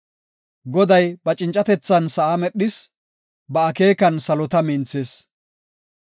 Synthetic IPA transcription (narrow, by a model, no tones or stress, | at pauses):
ɡɔd̪ɐjbɐt͡ʃʼɪnt͡ʃʼɐt̪ɛt͡sːɐnsɐʔamɛɗːɪs | bɐɐke̞ːkɐnsɐlɔt̪ɐmɪnt͡sːes